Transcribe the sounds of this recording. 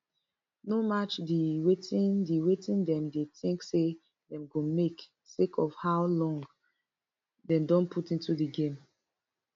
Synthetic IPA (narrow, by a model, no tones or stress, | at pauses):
nomat͡ʃdiwetĩndiwetĩndɛ̃mdeθĩŋkse | dɛ̃mɡõmek | sekʰɔfhaʊlɔ̃ŋɡ | dɛ̃mdɔ̃npʰutĩntudiɡẽm